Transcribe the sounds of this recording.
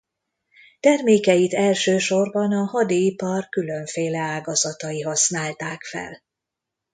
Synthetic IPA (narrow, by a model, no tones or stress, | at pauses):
t̪ɛrmeːkɛjit̪ɛlʃøːʃo̞rbɒnɒhɒd̪iipɒrkylø̞ɱfeːlɛaːɡɒzɒt̪ɒiɦɒsnaːlt̪aːkfɛ̰l